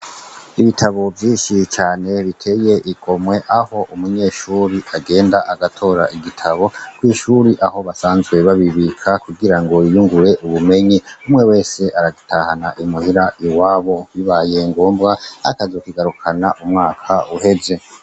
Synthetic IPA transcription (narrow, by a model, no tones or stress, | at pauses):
iβitʰaβo̞vjiːnʃit͡ʃaːne̞βitʰe̞ːje̞ʔiɡo̞mwe̞ʔaho̞ʔumuɲe̞ːʃuːɾiʔaɡe̞ːndaʔaɡatʰo̞ɾa̰ʔiɡitʰaβo̞kwiːʃuɾiʔaho̞βasaːnzɡwe̞βaβiβikʰakuɡiɾaŋɡo̞ijuŋɡuɾe̞ʔuβume̞ɲiumŋe̞we̞ːse̞ʔaɾaɡitʰahanaʔimuhiɾaʔiwaːβo̞wiβaje̞ŋɡo̞ːmbɡaa̰kazokiɡaɾukʰanaʔumŋaːkʰauhe̞ze̞